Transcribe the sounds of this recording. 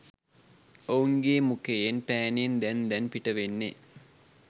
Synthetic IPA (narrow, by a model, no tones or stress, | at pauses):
ouŋɡeːmukejenpæːnend̪ɛnd̪ɛnpiʈɐʋenːe